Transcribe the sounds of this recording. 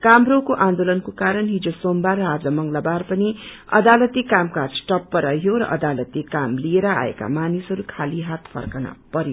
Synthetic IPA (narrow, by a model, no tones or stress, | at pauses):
kamɾokoʔãnd̪olʌnkokaɾʌnɦid͡zosombarʌad͡zʌmʌŋlabarpʌniʌ̰d̪alʌt̪ikamkasʈʌpːʌɾʌɦjoɾʌ̰ʔʌd̪alʌt̪ikamlieɾʌa̰ḛka̰manisɦʌɾukʰaliɦat̪pʰʌ̰rkana̰pʌɾjo